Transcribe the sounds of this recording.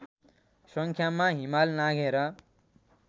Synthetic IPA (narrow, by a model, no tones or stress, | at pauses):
sʌŋkʰjamaɦimalnaɡʱeɾʌ